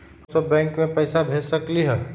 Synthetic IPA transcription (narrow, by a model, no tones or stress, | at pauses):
səbbːɛ̃ːŋkmẽpɛːsabʱeːsəkliɦɛː